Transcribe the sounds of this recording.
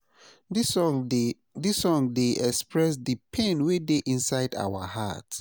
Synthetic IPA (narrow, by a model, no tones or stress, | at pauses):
disɔ̃ŋdeʔɛkspɹɛs̬dɨpʰẽnwedeʔĩnsaɪda̰wa̰ha̰t